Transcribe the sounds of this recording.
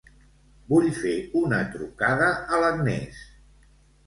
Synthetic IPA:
buʎfeunət̪ɾukaðəələkmḛs

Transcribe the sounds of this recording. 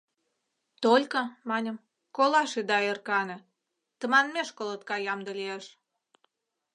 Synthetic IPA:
t̪olʲkəmɑnʲə̆m | kolɑʃed̪ɑerkɑnɤ̆ | t̪ə̆mɑnmeʃkolət̪̚kɑjɑmd̪əlieʃ

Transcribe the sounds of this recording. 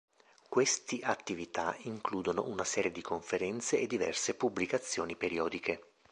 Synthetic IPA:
kwest̪iʔat̪ːivit̪aiŋkluːd̪ono̰ʔunasɛːɾjed̪ikʰoɱfeɾɛnt̪seːd̪ːivɛ̰rsepubːlikat̪sːjoːnipeɾiɔːd̪ikʰe

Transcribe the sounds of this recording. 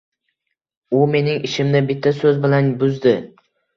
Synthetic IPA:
ʊme̞nɪŋɪʃɪmnɪbɪt̪ʰːasɵzbɪlanbʊzd̪ɪ

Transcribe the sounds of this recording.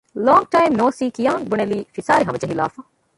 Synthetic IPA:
lɔːŋɡ̚ʈɐjmnoːsiːkijaːŋbuneliːfisaːɾiɦɐmɐd͡ʒɐɦila̰ːfa

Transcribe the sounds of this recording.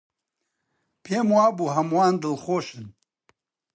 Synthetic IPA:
pʰeːmwaːbuːɦɐmwaːnd̪ɨlxoːʃɨn

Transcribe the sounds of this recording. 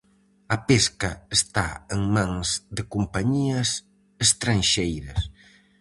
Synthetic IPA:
ɐpeskɐest̪a̰eŋmãŋzd̪ɪkumpaɲiɐs | est̪ɾanʃejɾɐs

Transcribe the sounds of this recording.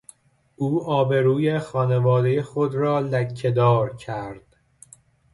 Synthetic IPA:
ʔuːɒːbe̞ɾuːje̞xɒːne̞vɒːd̪e̞jexod̪ɾɒːlæcʰːe̞d̪ɒːɾcʰæɾd̪̥

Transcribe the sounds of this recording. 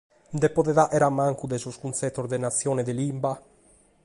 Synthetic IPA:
nd̪epoðɛðaʔɛɾamaŋkud̪esoskunt̪sɛt̪ːozd̪enat̪sːjɔːnɛd̪elimba

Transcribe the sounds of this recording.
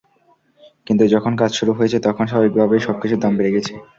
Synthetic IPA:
kint̪ud͡ʑɔkʰonk̬ad͡ʑʃuɾuɦojet͡ɕʰet̪ɔkʰonʃababik̚bʱabejʃɔb̚kit͡ɕʰud̪ambeɾeɡɛt͡ɕʰe

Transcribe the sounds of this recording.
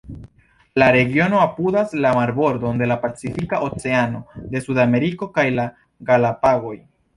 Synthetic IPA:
laɾe̞ɡio̞no̞apudaslamaɾbo̞ɾdo̞nde̞lapat͡sifikaʔo̞t͡se̞ano̞de̞sudame̞ɾiko̞kajla | ɡalapaɡo̞j

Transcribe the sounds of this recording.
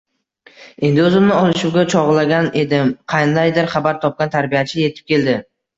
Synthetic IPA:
e̞nd̪ɪɵzɪmnɪɒlˠɪʃʊwɡʲat͡ʃʰɒʁlaɡʲane̞d̪ɪmqʰɑjnd̪ajd̪ɪɾχabaɾt̪ʰɒp̚kʲant̪ʰaɾbijat͡ʃʰɪje̞t̪ʰɪ̥p̚kʲʰe̞ld̪ɪ

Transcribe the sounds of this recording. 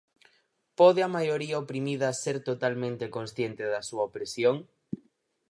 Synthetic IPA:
pɔð̞ɪɐmajoɾiɐopɾimiðɐseɾt̪ot̪almẽnt̪ekonsθjent̪ɪðɐsuɐopɾesjoŋ

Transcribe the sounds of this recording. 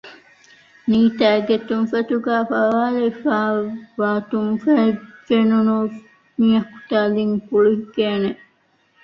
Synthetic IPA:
niːt̪æːɡet̪umfɐt̪uɡæːfɐʋaːlefaːʋaːt̪uŋfæːɡenunu | miɐku̥t̪aːliŋkuɭuɦiɡeːne

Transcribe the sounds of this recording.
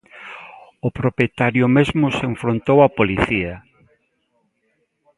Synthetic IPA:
ʊpɾopjet̪aɾjʊmezmʊseɱfɾont̪owɐpoliθia

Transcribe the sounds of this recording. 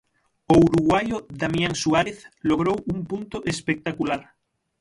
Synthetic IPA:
ouɾuɣwajoðamjaŋsuaɾeθloɣɾowuŋpunt̪oʔespek̚t̪akulaɾ

